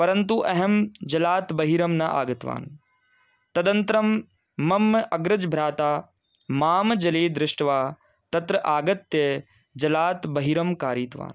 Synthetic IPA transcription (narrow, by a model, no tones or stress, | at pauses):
pɐɾɐnt̪uʔɐɦɐmd͡ʒɐlaːt̪bɐɦiːɾɐmnɐʔa̰ːɡɐt̪ʋa̰ːn | t̪ɐd̪ɐ̃nt̪ɾɐmː | ɐmːʔɐɡɾɐd͡ʒbʱɾaːt̪aː | maːmd͡ʒɐleːd̪ɾɪʂʈɐʋaː | t̪ɐt̪ɾɐʔaːɡɐt̪ːjɐ | d͡ʒɐlaːt̪bɐɦiːɾɐmkaːɾiːt̪ʋa̰ːn